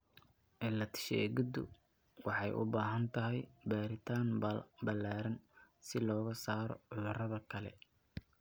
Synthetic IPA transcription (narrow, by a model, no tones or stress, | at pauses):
ʔɛlɐt̪ʰɪ̥ʃɛ̰ːɣɪd̪ʊ̰ | wɑħɑjʔʊ̰baːɦɐnt̪ʰɐɦɛjbaːɾɪt̪ʰaːnbɐlːaːɾɐnsɪlɔːɣɐsaːɾɔ̰ʕʊðʊrɐðɐkʰɐlɛ̰